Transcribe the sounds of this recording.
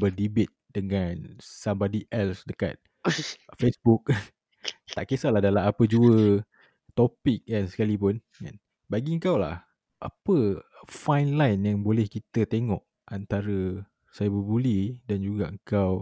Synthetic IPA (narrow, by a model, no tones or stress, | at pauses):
bərdibet̪̚d̥əŋansambodiʔɛlsdəka̰t̪̚ | fesbuk̚ | t̪aʔkesalahdalaapəd͡ʒuə | t̪opik̚ansə̥kalipʊn | a̰n | baɡiəŋkawla̰h | ʔa̰pəfajnlajnjaŋbolɛhkit̪ət̪eŋɔʔ | ant̪aɾə | sajabəbulidand͡ʒuɡaəŋkaw